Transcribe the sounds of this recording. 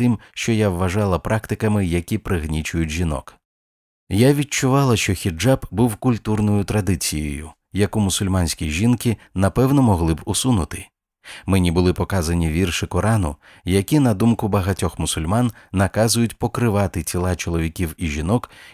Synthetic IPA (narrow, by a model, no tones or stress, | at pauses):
ɪmʃt͡ʃɔjawːɐʒɑlˠɐpɾʔɑkt̪ɪkɐmɪjɐkʲipɾɪɦnʲit͡ʃʊjʊt̚ʲʒinɔ̰k | jaʋʲit͡ʃʊʋɑlˠɐʃt͡ʃɔxʲid͡ʒabbuwkʊlʲt̪urnɔjʊt̪ɾɐd̪ɪt͡sʲijɔ̰jʊ̰ | jɐkumʊsʊlʲmɑnʲsʲkʲiʒʲinkɪ | nɐpɛwnɔmɔɦlˠɪbʊsunʊt̪ɪ | mɛnʲibʊlˠɪpɔkɑzɐnʲiʋʲirʃɪkɔɾɑnʊ̰ | jɐkʲinɐd̪umkʊbɐɦɐtʲɔxmʊsʊlʲmɑnːɐkɑzʊjʊtʲpɔkɾɪʋɑt̪ɪt͡sʲilˠɑt͡ʃɔlˠɔʋʲikʲiwiʒʲinɔk